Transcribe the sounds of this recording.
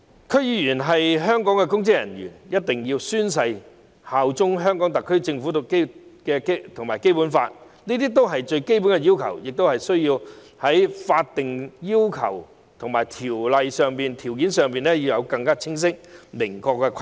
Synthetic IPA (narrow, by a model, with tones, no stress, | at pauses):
kʰɵ˧˥ɥjiː˨˧jyː˨˩nɦɐ˨jɦœː˥ŋkɔː˨˥ŋkɛ˧kʊ˥ŋt͡sɪ˥k̚jɐ̰˨˩nɥy̰ː˨˩njɐ˥t̚t̪ɪ˨ŋjiː˧wsyː˥ns̬ɐ˧j | haː˨wt͡sʊ˥ŋɦœː˥ŋkɔː˨˥ŋt̪ɐ˨kʰːɵ˥ɥt͡sɪ˧ŋfu˨˥t̪ʊ˨ke˥jkɛː˧ke˥t̪ʰʊ˨˩ŋmaː˨˩jke˥jpuː˨˥nfa̰ː˧t̚ | niː˥t̪iː˥t̪̬o˥wɦɐ˨jt͡ʃɵ˧ɥke˥jpu˨˥nŋkɛ˧jiː˥wkʰɐ̰˨˩wjɪ˨k̚t̪whɐ˨jsɵ˥ɥjiː˧w | hɐ˨˥jfaː˧t̚t̪ɪ˨ŋjiː˥wkʰɐ̰˨˩w | t̪ʰʊ˨ŋma̰ː˨˩jt̪ʰiː˨˩wlɐ˨jsœː˨˧ŋpiː˨nt̪ʰiː˨˩wk̬iː˨˥nsœː˨ŋpiː˨nɛ˥ji˧wjɐ˨˧wkɐ˧ŋkaː˥t͡sʰɪ˥ŋs̬ɪ˥k̚mɪ˨˩ŋkɔː˧kːɛ˧kʰ